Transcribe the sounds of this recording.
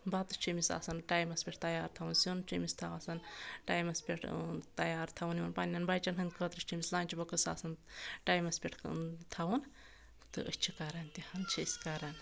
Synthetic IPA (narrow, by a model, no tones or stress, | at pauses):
baːt̪ɨt͡ʃʰimisa̰ːsɐnʈaːjmɐspʲeʈ̚ʰt̪ɐjaːɾt̪ʰɐwunsʲunt͡ʃimist̪ʰɐaːsɐnʈaːjmɐspʲeʈʰt̪ɐjaːɾt̪ʰɐwuniʋɐnpanʲːɐnbaːjt͡ʃɐnɦɐnd̪kʰəːt̪ɾɨʃt͡ʃʰimislaːnʲt͡ʃʰibɐkɨsa̰ːsɐnʈaːjmɐspʲeʈʰt̪ʰɐwun | t̪ɨ̰ʔət͡ʃʰikaɾɐnt̪ihɐnt͡ʃʰisʲkaɾɐn